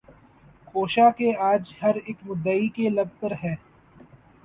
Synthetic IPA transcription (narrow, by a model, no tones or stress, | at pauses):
xoːʃakeaːd͡ʒhɐɾeːkmʊd̪ːaːikelɐb̚pɐɾɦɛː